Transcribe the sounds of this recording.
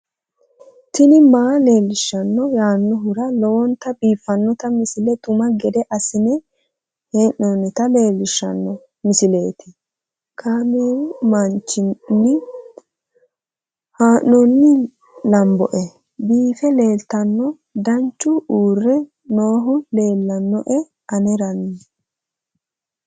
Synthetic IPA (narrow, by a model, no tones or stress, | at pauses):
t̪ɪnɪmaːle̞ːlɪʃːɐnːɔjaːnːɔɦʊɾɐlɔwɔnt̪ɐbiːfːɐnːɔt̪ɐmɪsɪlɛt̪ʼʊmɐɡɛd̪ɛʔɐsɪnɛ | hɛːnːɔnːɪt̪ɐle̞ːlɪʃːɐ̰nːɔ | mɪsɪle̞ːt̪ɪ | kʰaːmemɐnt͡ʃːɪnːɪ | haːnːonːɪ | lɐmbɔ̰ʔɛ | biːfɛle̞ːlt̪ɐnːɔ | d̪ɐnt͡ʃːʊuːrːɛ | no̞ːɦʊle̞ːlːɐnːɔʔɛ | ɐnɛɾɐn